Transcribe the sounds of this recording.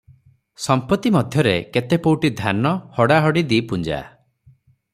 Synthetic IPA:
sɔmpɔt̪ːimɔd̪ʱjɔɾeket̪epowʈid̪ʱanɔhɔɽaɦɔɽid̪ipund͡ʒa̰

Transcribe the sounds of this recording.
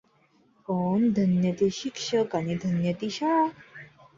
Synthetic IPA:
kɔnd̪ʱənjət̪iɕikʂəkaɽ̃id̪ʱənjət̪iɕa

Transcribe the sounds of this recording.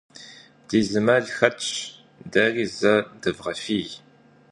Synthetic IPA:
d̥iːzɨmɐɮxɐt͡ʃʼ | dɐrizɐdɨvʁɐfiːj

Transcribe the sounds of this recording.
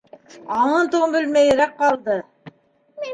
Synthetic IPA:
ɑɴɤnt̪uʁɤmbɘ̆lmæjɘ̆ɾæq̚qɑlˠd̪ɤ

